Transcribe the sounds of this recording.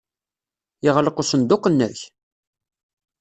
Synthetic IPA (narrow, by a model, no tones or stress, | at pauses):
jɪʁləqusənd̪ʊqːnːæç